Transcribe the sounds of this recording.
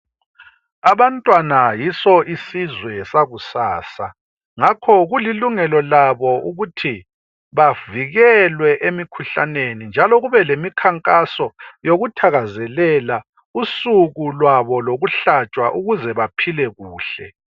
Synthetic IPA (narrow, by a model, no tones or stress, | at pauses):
aβantʼwanajisɔʔisizwɛsaɣusaːsa | ŋakʰɔɣuliluŋɛlɔlaβɔʔuɣutʰi | βaviɣɛlwɛʔemikʰuɬa̰nenind͡ʒʱalɔɣuβɛlemikʰaŋkʼasɔjoɣutʰaɣazɛlɛla | usuɣulwaβɔloɣuɬat͡ʃʼwaʔuɣuzɛβapʰilɛɣuːɬɛ